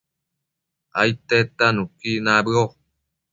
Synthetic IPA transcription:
a̰it̪ːet̪ːanukinabɯo

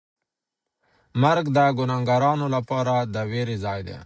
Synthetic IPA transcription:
mɐɾɡd̪aɡʊnaŋɡaɾɑːnolapɑːɾad̪əweːɾizɑːjd̪ḛː

